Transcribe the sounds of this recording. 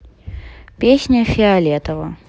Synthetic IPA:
pʲesʲnʲəfʲɪɐlʲet̪əvə̰

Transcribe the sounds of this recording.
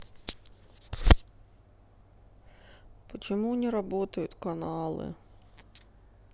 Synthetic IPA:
pɔt͡ʃɪmunʲiɾɐbɔt̪ɐjʊt̪ʲkɐnɑlˠɨ̰

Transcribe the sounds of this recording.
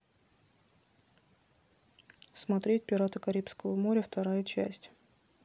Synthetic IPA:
smɐt̪ɾʲet̚ʲpʲɪɾat̪əkɐɾʲipskəvəmo̞ɾʲəft̪ɐɾajət͡ɕæ̰sʲtʲ

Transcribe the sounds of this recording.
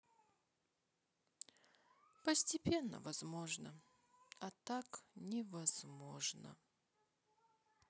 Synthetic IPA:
pəsʲtʲɪpʲenːə̰vɐzmo̞ʐnə | ɐt̪aknʲɪvɐz̥mo̞ʐnə̰

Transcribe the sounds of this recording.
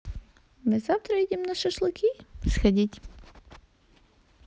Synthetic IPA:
mɨzaft̪ɾɐidʲɪmnaʃɛʃlˠʊkʲisxɐdʲitʲ

